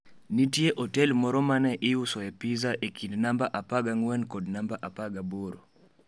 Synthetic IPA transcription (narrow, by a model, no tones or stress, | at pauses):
nitjeʔɔtɛlmɔɾɔmanɛʔɪusɔɛpizaʔekʰindnambaʔapaɡaŋwɛnkɔdnambaʔapaɡaboɾo